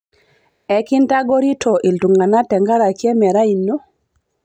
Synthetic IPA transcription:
ɛ˨kɪ˦nta˦ɡo˦ɾi˦tʰo˨ʔi˨ltu˨ŋɡa˨na˦tɛ˨ŋɡa˦ɾa˨kjɛ˦mɛ˨ɾa˦i˨nːo˦

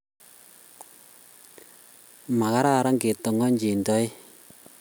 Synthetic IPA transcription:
ma˨ka˦ɾa˦˨ɾa˦ŋɡe˨tɔ˨ŋɔ˦ɲd͡ʒi˨ndɔ˦j

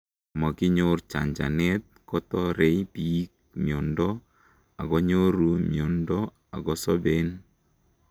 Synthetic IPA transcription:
ma˨kɪ˦ɲort͡ʃa̰˨ɲd͡ʒa̰˨nɛ˦t̚kɔ˦tɔ˦ɾe˦ipi˦k̚ | miɔ˨ndɔ˦ | a̰˨kɔ˦ɲo˦ɾu˨mjo˨ndɔ˦ | a̰˨ɡɔ˦sɔ˦be˦n

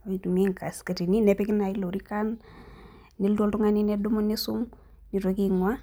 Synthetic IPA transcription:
oitu˨mi˦ŋka˨ska˨ti˨ni˦nɛpɛkɪ˦na˨i˦lo˨ɾi˦ka˦n | ni˦ldo˦ltu˦ŋani˦nɛ˦dumu˦nːisʊ˦ŋ | ni˨tokiŋwa

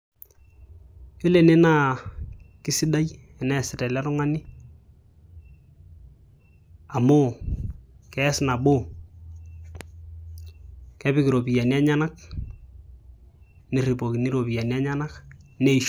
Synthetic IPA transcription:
jo˦le˨ne˦na˦ | kɪ˦sɪ˦da˦j | ɛ˨nɛ˨sɪ˨tɛ˨la˦tʊ˦ŋa˦nɪ˦ | a˨mo˦ | kɛ˦sna˨bo˦ | kɛ˦bɪ˦kɪ˨ɾo˨pi˨ja˨ni˦a˦ɲa˦na˦k | nɪ˨ri˨po˨ki˨ni˦ɾo˨pi˨ja˨ni˦a˦ɲa˦na˦kne˦i˨ʃ

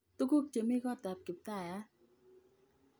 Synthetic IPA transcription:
t̪u˧˦ku˦˨k̚t͡ɕe˨˦mi˦˧ɣɔ˧t̪a˨p̚ki˨˦p̚t̪a˧˩˨a˧˦

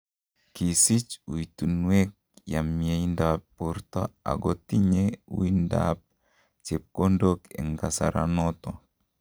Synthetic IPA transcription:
ki˨si˦t͡ʃu˨i˨tu˨nwe˦k̚ja˨mjeindapːuɾtɔ˦a̰˨ɡot̪i˦ɲḛ˦i˦nda̰p̚ | t͡ʃe˨p̚ko˦ndokɛ̰˨ŋɡa˨sa̰˨ɾʔanɔt̪ɔ

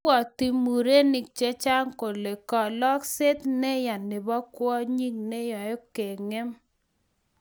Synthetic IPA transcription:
ɔ˨ti˦mu˨ɾe˦nɪ˨k̚t͡ʃe˦t͡ʃa˦ŋko˨le˨kɔ˨lɔ˦kse˦t̪ne˦ja˨nɪ˨bɔ˦kwɔ˦ɲi˦ŋne˦jɔ˨jɔ˦ke˨ŋe˦m

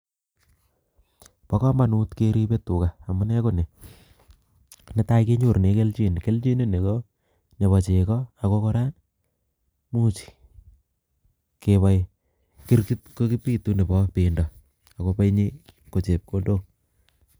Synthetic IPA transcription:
pɔ˦kɔ˦ma˨nu˦tkeɾi˦pe˦tu˨ka˨a˨mʊ˦nɛ˦ko˦ne˨ | ne˦ta˦ike˦ɲo˨ɾne˨˦ke˦lt͡ʃi˦nke˦lt͡ʃi˦ne˦ne˨kɔ˦ | ne˨βɔ˨t͡ʃe˨kɔ˦a˨ko˦kɔ˦ɾa˦n | mu˦t͡ʃi̥˨ | ke˨βa˦j | ki˦ɾki˦tko˦ki˦pi˦tu˦ne˨bɔ˦pe˨ndɔ˨ | a˨ko˦pe˦jɲi˦ko˨t͡ʃe˨p̚ko˦ndo˦

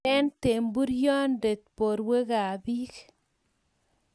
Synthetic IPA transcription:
ɛ˦nte˨mbu˦ɾjɔ˦nde˨t̚po˨ɾwe˦ɡaː˨bi˦k

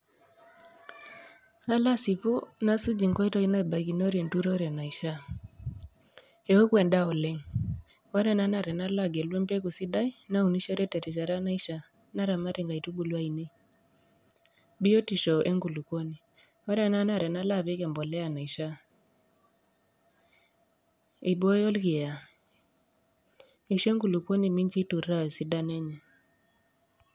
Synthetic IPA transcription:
a˦la˦si˨pu˦na˦su˦d͡ʒi˨ŋkɔ˦i˦tɔ˦i˦na˦i˨ba˨ki˨nɔ˦ɾi˨ntu˦ɾɔ˦ɾɛ˨na˨i˨ʃa˦ | ɛ˨we˦kwɛ˨nda˦ɔ˨lɛ˦ŋ | wɔ˦ɾɛ˦na˦na˨ɾɛ˨na˦la˦˨ɡɛ˨lwɛ˦mpɛ˦ku˨si˦da˦i˦na˦u˨ni˦ʃɔ˦ɾɛ˦tɛ˨ɾɛ˨ʃ̬a˨ɾa˦na˦i˦ʃa˨ | na˦ɾa˨ma˦ɾɛ˨ŋɡa˨i˨tu˦ɓu˨lwa˦i˨ne˦ | bi˦jɔ˦ti˨ʃɔ˨ʔɛ˦ŋɡu˨lu˨kwo˦ni˨ | ɔ˦ɾa˨˦na˦na˦˨ɾɛ˨na˦la˦˨βe˦ɣɛ˨mbɔ˨lɛ˦a˨na˨i˨ʃa˦ | i˨bɔ˦jɔ˦lɣi˨ja˨ | i˨ʃɛ˦ŋɡu˨lu˨kwo˦ni˨mi˦ɲt͡ʃi˦tu˨ɾa˦˨si˦da˦nɛ˦ɲɛ˨

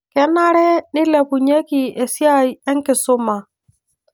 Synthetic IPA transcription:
kɛ˨˦na˦ɾɛ˦nɪ˦lɛ˨pu˨ɲe˦ki˨e˨sja˦ɛ˦ŋ˦kɪ˨sʊ˦ma˨

